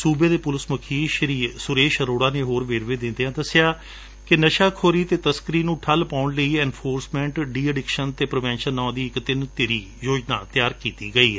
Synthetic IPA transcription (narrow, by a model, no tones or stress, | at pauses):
suːbẽːd̪eːpʊlɪsməkʰiːʃəɾiːsʊɾeːʃɾoːɽaːneːɦoːɾʋeːɾʋẽːd̪ɪ̃nd̪eːãːd̪əsɪjaː | kɪnəʃaːkʰoːɾiːt̪eːt̪əskəɾiːnũːʈʰəlpaːʊɳləiːɛːnpʰoːɾsmɛ̃ːɳʈɖiːɛɖɪkʃənt̪eːpɾɪʋɛ̃ːnʃənːãːd̪iːɪkt̪ɪnt̪eːɾiː | joːd͡ʒna̰ːt̪ɪjaːɾkiːt̪iːɡəiː